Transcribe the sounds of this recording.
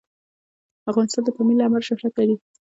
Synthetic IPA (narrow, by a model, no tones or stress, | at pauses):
afɣɑnɪst̪ɑnd̪əpomilaːmalʃɪhɾat̪laɾi